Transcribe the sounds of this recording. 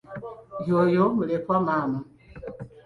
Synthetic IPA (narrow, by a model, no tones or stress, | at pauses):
jojoməlepɔmama